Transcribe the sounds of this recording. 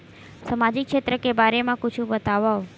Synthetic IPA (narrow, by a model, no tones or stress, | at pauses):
səmad͡ʒikʃet̪ɾəkebaɾemãkʊt͡ʃʰũbət̪aʋao